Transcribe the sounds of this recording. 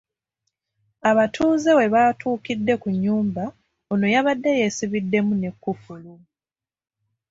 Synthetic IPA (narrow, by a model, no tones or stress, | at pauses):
aβatʰuːzewe̞βaːtuːkidːe̞kuɲːuːmba | onojaβadːe̞jesiβidːe̞mune̞kːufulu